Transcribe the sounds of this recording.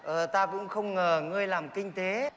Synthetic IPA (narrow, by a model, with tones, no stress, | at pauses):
ʔəː˨˩t̪aː˧kʊ̰˧˥ŋ͡mxə˧wŋ͡mŋəː˨˩ŋɨ˧əjlaː˨˩mkï˧ŋ̟t̪e˨˦